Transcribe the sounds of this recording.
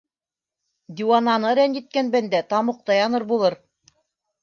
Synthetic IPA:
d̪ʲiwanɑnɤɾænjɘ̆t̪̚kænbænd̪æt̪ɑmŏq̚t̪ɑjɑnɤɾbulˠɤɾ

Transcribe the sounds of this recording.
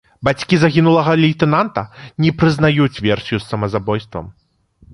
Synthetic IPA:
bat͡sʲkʲizaɣʲinulˠɐɣɐlʲijt̪ɛnant̪ɐnʲɛpɾɨznajut͡sʲvʲɛrsʲijusːɐmɐzabɔjst̪vɐ̰m

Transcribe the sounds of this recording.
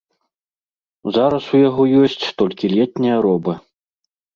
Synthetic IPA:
zaɾɐsujaɣɔjɔsʲt͡sʲt̪ɔlʲkʲilʲɛt̪nʲɐjɐɾɔbɐ

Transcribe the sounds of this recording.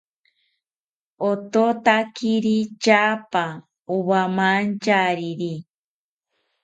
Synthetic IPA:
ot̪ot̪akiɾit͡ʃapa | uβamant͡ʃaɾiɾi

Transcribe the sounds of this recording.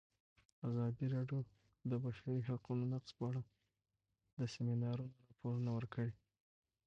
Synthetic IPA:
azɑd̪iɾɑɖjo | d̪əbaʃaɾiɦaqunonaqspəaɽa | d̪əseminɑɾunoɾɑpʰoɾunawəɾkʰəɽi

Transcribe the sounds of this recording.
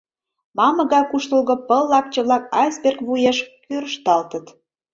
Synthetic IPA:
mɑmə̆ɣɑjkuʃt̪ə̆lɣŏpəlːɑk̚t͡ɕə̆βlɑk̚ɑspʲerkβujeʃkøɾəʃt̪ɑlt̪ət̪

